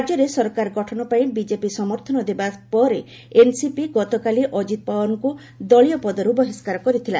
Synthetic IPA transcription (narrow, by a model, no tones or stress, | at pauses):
d͡ʒɔɾesɔɾɔkaɾɡɔʈʰɔnɔpaĩbid͡ʒepisɔmɔɾt̪ʰɔnɔd̪ebapɔɾe | ensipiɡɔt̪ɔkaliʔɔd͡ʒit̪ɔpawɔnɔku | d̪ɔɭijɔpɔd̪ɔɾubɔɦeskaɾɔkɔɾit̪ʰila